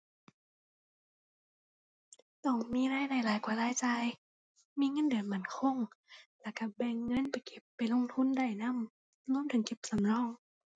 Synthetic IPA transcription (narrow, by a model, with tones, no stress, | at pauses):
t̪ɔː˧˩ŋmiː˧˥˨laː˧˥˨jna˧˩jlaː˨˦jkwaː˧˦laː˧˥˨jt͡ɕaː˧j | miː˧˥˨ŋɤ˧˥˨ndɯ˨˩˦nma˧˩˨nkʰo˧˥˨ŋlɛ˧˩ka˧˩bɛː˧˩ŋːɤ˧˥˨npa˨˩jke˧˩pːa˨˩jlo˧˥˨ŋt̪ʰu˧˥˨nda˧˩jna˧˥˨m | lu˧˥˨mt̪ʰɯ˨˦ŋke˧˦p̚sa˨˦mlɔː˧˥˨ŋ